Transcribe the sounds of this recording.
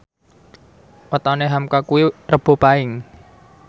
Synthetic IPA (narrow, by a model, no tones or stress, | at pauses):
wət̪aneɦamkakuwirəb̥o̤paɪŋ